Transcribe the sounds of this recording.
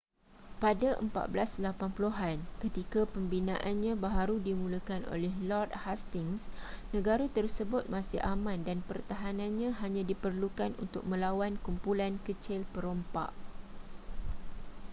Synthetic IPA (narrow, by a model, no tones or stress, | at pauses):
padaʔə̰mpa̰t̪̚bəlaslapanpuloɦankət̪ikapəmbinã̰ʔanɲãbaɦaɾudimũləkanʔo̰lɛɦlɔrt̪̚hast̪ɪŋsnə̃ɡaɾat̪ərsəbʊt̪̚mãsɪ̰hʔamãndanpərt̪aɦanãnɲãɦaɲãdipərlukanʔṵnt̪ʊk̚mə̃lawankumpulankət͡ʃɪlpəɾompa̰ʔ